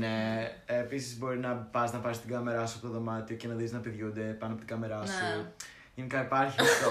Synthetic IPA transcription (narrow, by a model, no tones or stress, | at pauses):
ne̞episizbo̞ɾinɐpɐznɐpɐsist̪iɡɐme̞ɾɐsuɐpot̪oðo̞mɐt̪io̞cenɐðiznɐpeðʝund̪e̞pɐnoɐpot̪iɡɐme̞ɾɐssu | ʝe̞nikɐipɐɾçit̪o